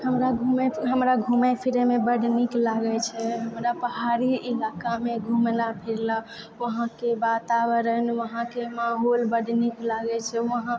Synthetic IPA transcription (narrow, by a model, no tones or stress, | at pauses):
həmɾaɡʱumeɦəmɾaɡʱumɛpʰiɾemebəɖniklaɡɛt͡ʃʰɛɦəmɾapəɦaɾiilakameɡʱumlapʰiɾla | ʋəɦãkebat̪abəɾənʋəɦãkemaɦolbəɖniklaɡɛt͡ʃʰɛʋəɦã